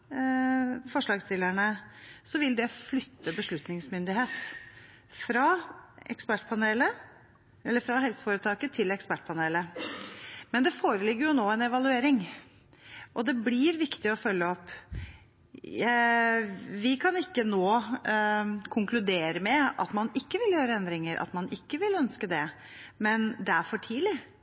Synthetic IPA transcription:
fɔʂɭɑːɡst̪ʰɪlːæɳəsɔʋɪld̪ɛflʏt̪ːəbəʂɭʉt̪nɪŋsmʏnd̪ɪɦeːt̪ | fɾɑɛ̰kspæʈːpʰɑneːlə | ɛlːəɾfɾɑɦɛlsə̥foːɾət̪ʰɑːkət̪ʰɪlɛkspæʈ̚ːpʰɑneːlə | mɛnd̪ɛfoːɾəlɪɡːəɾjʊnoːɛnɛʋɑlʉeːɾɪŋ | ʔɔd̪ɛblɪɾʋɪkt̪ɪɔfœlːəɔpː | ʋɪkʰɑnɪkːənoː | kʰʊŋklʉd̪eːɾəmɛɑ̰t̪mɑnɪkːəʋɪljøːɾəɛnd̪ɾɪŋəɾʔɑ̰t̪mɑnʔɪkːəʋɪlœnskəd̪ɛ | mɛnd̪ɛæfɔʈʰiːlɪ

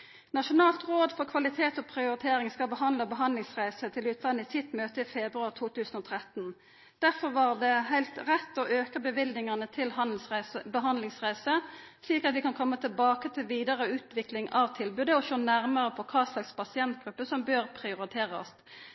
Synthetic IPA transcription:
nɑʂʊnɑːlt̪ʁoːd̪fɔʁkʰʋɑlɪt̪ʰeːt̪ɔpʰʁɪʊɾɪt̪ʰeːʁɪŋskɑlbəɦɑnd̪ləbəɦɑnd̪lɪŋsʁæɪsət̪ʰɪlʉːt̪ʰlɑnɪsɪt̪møːt̪əɪfɛbʁʉɑʁt̪ʰuːt̪ʰʉːsənɔt̪ʰʁɛt̪ːn̩ | d̪̥æʁfɔʁʋɑʁd̪ɛɦæɪlt̪ʁɛt̪ːɔʔøːkəbəʋɪldnɪŋənət̪ʰɪlhɑl̩sæsəbəɦɑnd̪lɪŋsʁæɪsəsliːkɑt̪ʋɪkɑnkʰɔmːət̪ʰɪlbɑːkət̪ʰɪlʋiːd̪əʁəʉːt̪ʋɪklɪŋʔɑʋt̪ʰɪlbʉːd̪əɔʃoːnæʁməʁəpʰɔkʰɑːslɑkspʰɑsɪɛnt̪ɡ̥ʁʉpːəsɔmbøːʁpʰʁɪʊʁɪt̪ʰeːʁəɔ̰s

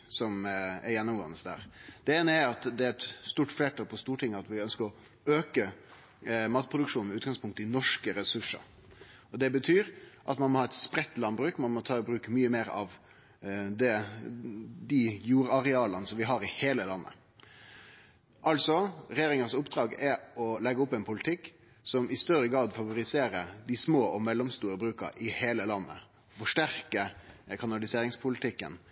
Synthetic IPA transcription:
sɔmɛɾjɛnːʊmɡo̰ːənəsd̪æ̰ːɾd̪̥ɛenəæɑt̪d̪ɛæɾɛt̪st̪uːʈfleːʈʰɑːlpʰɔst̪uːʈʰɪŋːəɑt̪ʋɪœnskəɾɔ | øːkə | mɑːt̪̚pʰʁʊd̪ʉkʂuːn̩mɛʉːt̪ɡɑŋspʰʊŋkt̪əɪnɔʂkəɾɛsʉʂə̰ɾ | ɔd̪ɛbət̪ʰyːɾʔɑt̪mɑnmɔhɑːɛt̪spɾɛt̪ːlɑnbɾʉːkmɑnmɔt̪ʰɑːɪbɾʉːkmyːəmeːɾɑ̰ʋ | d̪ɛ | d̪ɪjuːɾɑɾɛɑːlənəsɔmʋɪɦɑɾɪheːləlɑnːʔə̰ | ʔɑlsɔɾɛjeːɾɪŋəsʊpd̪ɾɑːɡɛɔlɛɡəʊpːɛnpʰʊlɪt̪ʰɪkː | sɔmʔɪst̪œɾəɡɾɑːd̪fɑʋʊɾɪseːɾəd̪ɪsmoːʔɔmɛlːɔmst̪uːɾəbɾʉːkə̰ɾɪheːləlɑnːə̰ | fɔʂʈæɾkəkʰɑnɑlɪseːɾɪŋspʰʊlɪt̪ʰɪkːə̰n

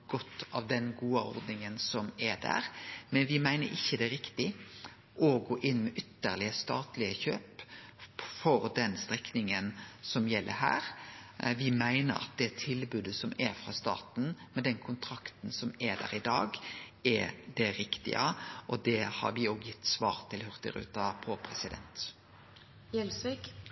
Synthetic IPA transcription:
ɡ̥ɔt̪ːɑʋd̪ɛnɡuːəɔ̰ɾd̪nɪŋənsɔmɛd̪æ̰ːɾmɛnʋɪmæɪnə̰ɾʔɪçːəd̪ɛɾɪkt̪ɪ | ʔɔɡoːʔɪnːmɛʔʏt̪ːəɾlɪəst̪ɑːt̪lɪəçøːp | fɔɾd̪ɛnst̪ɾɛknɪŋənsɔmjɛlːʔə̰ɾɦæ̰ːɾʋɪmæɪnə̰ɾɑ̰t̪̚d̪ɛæt̪ʰɪlbʉːd̪əsɔmɛfɾɑ̰st̪ɑ̰ːt̪n̩mɛd̪ɛnkʰʊnt̪ʰɾɑkt̪n̩sɔmɛd̪æ̰ːɾɪd̪ɑːɡɛd̪ɛɾɪkt̪ɪ̰ə̰ʔɔd̪ɛhɑ̰ɾʋɪoːɡjɪt̪ːsʋɑ̰ːɾt̪ʰɪlhœʁt̪ɪ̰ɾʉ̰ːt̪ɑpʰoːpʰɾɛsɪd̪ɛ̰nt̪ | jɛlsʋɪk

